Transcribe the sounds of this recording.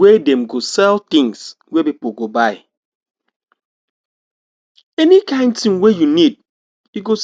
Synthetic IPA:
wedɛ̃mɡosɛlt̪ĩŋs | wepipoɡobaɪ | ɛnikãɪ̃nd̚tĩŋwejunid̚ | juɡos

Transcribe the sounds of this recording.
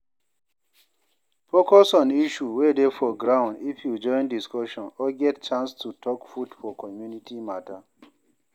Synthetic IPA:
pokɔsɔ̃niʃuwedefɔɡɹãʊ̃ndifjud͡ʒɔ̃ɪ̃ndiskɔʃɔ̃nɔɡɛtt͡ʃãnstutʰɔkfudfɔkʰɔmjunitʰimata

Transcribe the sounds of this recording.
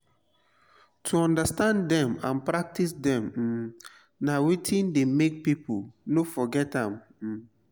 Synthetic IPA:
tʰuɔ̃ndəstãndɛ̃mã̰npɹak̚tisdɛ̃m̩ | nawitʰĩndemek̚pipʰulnofɔɡɛtãm̩

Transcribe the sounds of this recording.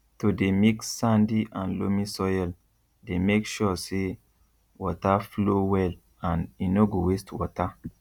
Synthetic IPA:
todemiksːãndiʔãnlomisɔjɛl | demekʃɔse | wɔtaflowɛl | ãninoɡowestwɔta

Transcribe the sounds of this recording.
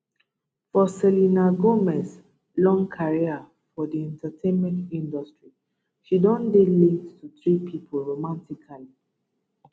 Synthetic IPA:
fɔsɛlinaɡomɛs | lɔ̃ŋkʰaɹia | fɔdiɛ̃ntatʰẽnmɛ̃ntĩndɔstɹi | ʃidɔ̃ndelĩdtʰuθɹipʰipʰɔlɹomãntikʰali

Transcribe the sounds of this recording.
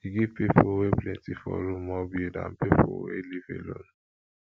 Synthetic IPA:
iɡipepʰoweplɛ̃ntifɔ̰ɾũmɔbiedã̰mpepʰowelifḛlon

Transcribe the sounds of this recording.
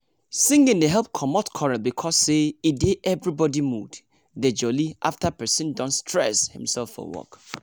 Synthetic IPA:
sɪ̃ŋɡɪ̃ndeɦɛlˠp̚kʰɔmɔtkʰɔɹabikʰɔseideʔɛvɹibɔdimud | ded͡ʒɔliʔa̰ftapɛ˞sɪ̃ndɔ̃ntstʰɹɛ̰shɪ̰̃msɛlfɔ̰wɔ̰k

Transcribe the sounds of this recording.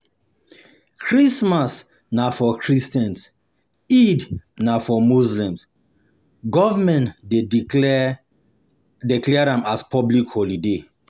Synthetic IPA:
kʰɹismas | nafɔkʰɹistɛ̃ns | idnafɔmuzlĩms | ɡɔvamɛ̃ntde | diklɛɾãmaspʰɔblikhɔlide

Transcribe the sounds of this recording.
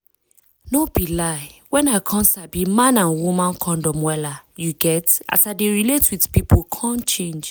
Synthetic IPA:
nobilaɪwɛ̃naɪkʰɔ̃nsabimãnãnwumãnkʰɔ̃ndɔ̃mwɛlajuɡɛta̰saɪdeɹiletwidpipʰokʰãnt͡ʃẽnd͡ʒ

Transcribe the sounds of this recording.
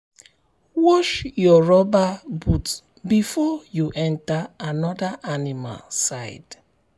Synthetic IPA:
wɔʃjɔɹɔbabut | bifɔjuʔɛ̃ntaanɔdaʔanima̰lsaɪd̥

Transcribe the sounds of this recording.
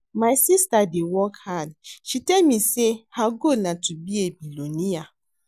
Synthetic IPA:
maɪsistadewɔkhadʃitɛlmĩsehaɡonatubiebilonĩja

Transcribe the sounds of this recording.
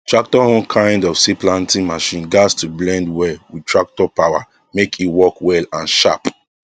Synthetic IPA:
tɹak̚tɔɔ̃nkʰãɪ̃ndɔfsiplãntĩmaʃĩnɡastublɛ̃ndwɛwitʰɹak̚tɔpawa̰ | mekʰiwɔkwɛlãnʃa̰p

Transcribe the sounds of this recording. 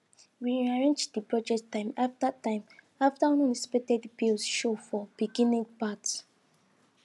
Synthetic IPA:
wiaɹẽnd͡ʒdipɹɔd͡ʒɛkttːãɪ̃mafdatãɪ̃m | aftaɔ̃nɔ̃nisi̥pɛtɛdibilsʃofɔb̥iɡĩnĩpat

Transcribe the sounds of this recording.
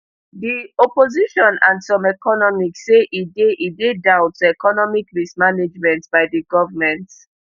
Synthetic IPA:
diɔpoziʃɔ̃nãnsɔ̃mɛkɔnɔmiksːeʔideʔidedaʊtɛkɔnɔmikɹismaned͡ʒmɛ̃ntbaɪdiɡɔvəmɛ̃nt

